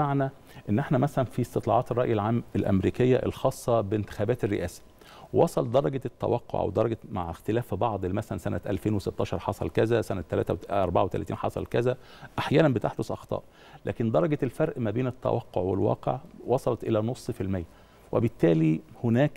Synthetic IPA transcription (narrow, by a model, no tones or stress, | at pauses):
aʕnæ | ʔenːʔeħnæmæsælænfist̪et̪ˤlɑ̰ʕɑːt̪erˤːɑʔjelʕaːmelʔæ̰mɾiːkejːæʔḛlxɑːsˤːɑbent̪e̥xæːbæːt̪erːḛʔæːsæ̥ | wɑsˤɑld̪ɑɾˤɑɡt̪ːæ̰wɑqːo̰ʕʔæ̰wd̪ɑɾˤɑɡæma̰ʕxt̪elæːfbɑʕd̪ˤelːmæsælænsænæ̰t̪ʔæ̰lfeːnweset̪ːɑːʃɑɾˤħɑsˤɑ̰lkæzæsænæt̪ːælæːt̪æwʔɑɾˤbaʕawet̪ælæ̰ːt̪iːnħɑsˤɑ̰lkæzæ | ʔaħjæːnæmbet̪eħd̪osʔɑxt̪ˤɑ̰ːʔ | læ̰ːkɪnd̪ɑɾˤɑɡæelfɑɾˤʔmæbeːnɪt̪ːæ̰wʔɑqːo̰ʕwḛlwɑ̰ːqḛʕwɑsˤɑlɑt̪ʔelænosˤːfilmejːæ | wḛbɪt̪ːæːlihʊnæːk